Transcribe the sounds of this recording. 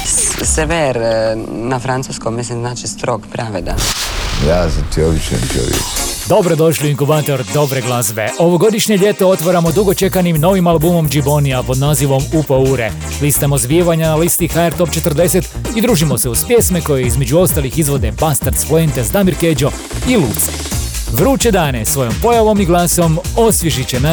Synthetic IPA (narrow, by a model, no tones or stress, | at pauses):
seʋeɾnafɾant̪suːskommːislimznaːt͡ʃist̪ɾokpɾaʋed̪a̰jaːzat̪ioʋit͡ʃḛmt̪o̰ʋjḛkd̪o̞bɾo̞d̪o̞ʃliiŋkubaːt̪o̞ɾd̪o̞bɾeɡlˠazbe̞ʔo̞ʋo̞ɡo̞d̪iʃɲeʎe̞t̪o̞o̞t̪ʋaɾamo̞d̪uɡo̞t͡ʃe̞kanimno̞ʋimalˠbumo̞md͡ʒibo̞niapo̞d̪naːziʋo̞mupouːɾḛ | list̪amozbjieʋaɲanalist̪ixaeɾt̪o̞p̚t͡ʃet̪r̩d̪e̞set̪ | id̪ɾuːʒimo̞se̞uspje̞sme̞ko̞jeizme̞d͡ʒuo̞st̪alixizʋo̞d̪e̞bast̪aɾt̪sploent̪ezd̪amiɾked͡ʒo̞ | ilṵːt̪seʋɾuːt͡ʃed̪aːne̞sʋo̞jo̞mpo̞jaʋo̞miɡlˠaːso̞mo̞sʋʲjeʒit͡ɕena